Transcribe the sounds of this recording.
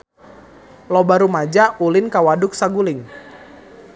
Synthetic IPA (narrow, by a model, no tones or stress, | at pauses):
lɔbaɾumad͡ʒaulɪnkawadʊk̚saɡulɪŋ